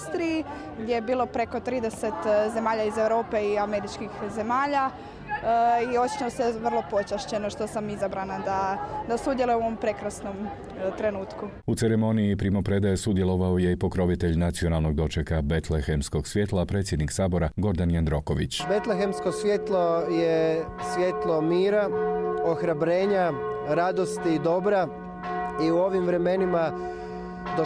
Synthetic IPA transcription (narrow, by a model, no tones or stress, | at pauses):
st̪ɾiji | ɡd̪jejebiːlˠo̞pɾe̞ko̞t̪ɾiːd̪e̞se̞t̪ze̞maːʎaize̞ʋɾo̞ːpe̞iameɾit͡ʃkixze̞maːʎa | io̞t͡ʃɲooseʋr̩lˠo̞po̞t͡ʃaʃt͡ɕe̞noʃt̪o̞samizabɾanad̪ad̪asud̪jelujeuoʋompɾe̞kɾasno̞m | t̪ɾe̞nuːt̪ku | ut̪seɾemo̞niipɾimo̞pɾe̞d̪ajesud̪jelˠo̞ʋaojeipo̞kɾo̞ʋit̪e̞ʎnat̪sio̞nalˠno̞ɡ̚d̪o̞t͡ʃekabe̞t̪lexemsko̞ɡsʋje̞t̪lˠapɾe̞ːt̪sje̞d̪niksaːbo̞ɾaɡo̞ɾd̪anjand̪ɾo̞ko̞ʋḭt͡ɕbe̞t̪lexemskosʋʲjet̪lˠoje | sʋʲje̞t̪lˠomiːɾaoxɾabɾeːɲaɾad̪o̞st̪id̪o̞bɾa | iuo̞ʋimʋɾeme̞nima | d̪o